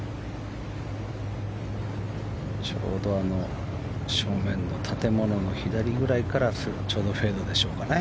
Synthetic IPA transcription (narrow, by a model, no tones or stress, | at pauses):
t͡ɕo̞̰ːd̪o̞ano̞ | ɕo̞ːmẽ̞nːo̞t̪ʰat̪e̞mo̞no̞no̞çid̪aɾʲiɡɯ̟ɾaikaɾas | t͡ɕo̞ːd̪o̞ɸe̞ːd̪od̪e̞ɕo̞ːkane